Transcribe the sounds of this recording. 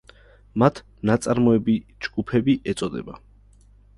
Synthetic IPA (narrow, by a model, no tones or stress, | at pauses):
mat̪ʰ | nat̪sʼaɾmɔɛbid͡ʒɡupʰɛbiʔɛt̪sʼɔd̪ɛ̰ba